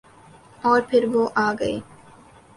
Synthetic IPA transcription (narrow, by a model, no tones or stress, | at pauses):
ɔːɾpʰɪɾʋoːʔaːɡɐḛː